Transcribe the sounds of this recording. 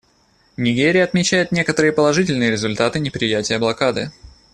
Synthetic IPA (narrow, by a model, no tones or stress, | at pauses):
nʲɪɡʲeɾʲɪjəɐt̪mʲɪt͡ɕæjɪt̪nʲe̞kət̪əɾɨjəpəlˠɐʐɨtʲɪlʲnɨjəɾʲɪzʊlʲt̪at̪ɨnʲɪpɾʲɪjætʲɪjəblˠɐkad̪ɨ